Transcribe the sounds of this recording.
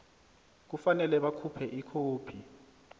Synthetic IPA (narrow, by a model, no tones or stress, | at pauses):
k̬ufanɛlɛɓakʰupʰɛʔikʰoːpʰi